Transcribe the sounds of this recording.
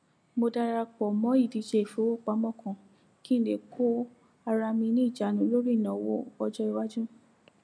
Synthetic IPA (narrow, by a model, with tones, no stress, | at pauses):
mo˧da˧ɾa˧k͡pɔ˨mɔ̃˨˦i˦˨di˨˧˦ʃe˧i˨fo˦wo˦˨k͡pa˨˦mɔ̃˦˨kɔ̃˨ | ki˦n̩˦de˨kʰo˦ | a˧ɾa˧mĩ˧nĩ˦i˦˨d͡ʒa˨˦nũ˨˦lo˦ɾi˦˨nã˨wo̰˦ɔ˧d͡ʒɔ˦i˨wa˦d͡ʒũ˦